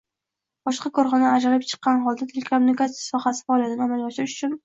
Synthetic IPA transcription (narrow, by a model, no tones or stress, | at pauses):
b̥ɒʃqɑkɒɾχɒnaːd͡ʒalɪp̚t͡ʃʰɨ̥qːɑnχɒlˠd̪at̪ʰelʲekʰomʊnikat̪sijasɒχasɪ̥faːlijat̪anɪamaljɒʃɪɾɪʃʊ̥t͡ʃʰʊn